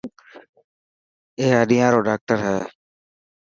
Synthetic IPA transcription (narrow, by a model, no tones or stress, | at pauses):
eːaːɗijãːɾoːɖaːk̚ʈəɾɦɛː